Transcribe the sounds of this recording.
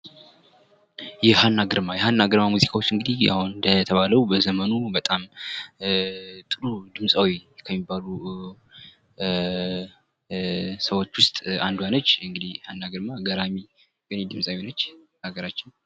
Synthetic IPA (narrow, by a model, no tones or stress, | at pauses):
jɛhanːaɡɨɾmajɛhanːaɡɨɾmamuzikʰʼawo̞t͡ʃːɨŋɡɨd̪ia̰hund̪ət̪ʰəβaləwbəzəmənubət̪ʼam | t̪ʼɨɾud̪ɨmsʼawikʰəmːibːalu | səwo̞t͡ʃːwʊst̪ʼand̪ujanət͡ʃːɨŋɡɨd̪ihanːaɡɨɾmaɡəɾami | wɛned̪ɨmsʼawonət͡ʃː | aɡəɾat͡ʃːɪn